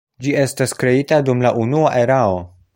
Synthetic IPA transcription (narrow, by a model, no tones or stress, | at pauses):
d͡ʒie̞staskɾe̞itadumlaʔunuaʔe̞ɾao̞